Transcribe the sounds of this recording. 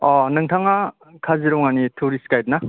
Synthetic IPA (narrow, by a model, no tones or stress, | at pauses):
ɔnɯŋtʰaŋa | kʰaziɾɔŋanitʰuɾiskajt̚na